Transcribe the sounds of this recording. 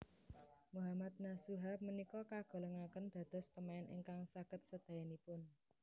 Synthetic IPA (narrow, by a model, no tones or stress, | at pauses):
muɦamat̪̚nasuɦap̚mənikɔkaɡ̥ɔ̤ləŋakənd̪̥ä̤d̪̥ɔ̤spəmaɛnɪ̰ŋkaŋsakət̪̚səd̪̥a̤janipʊn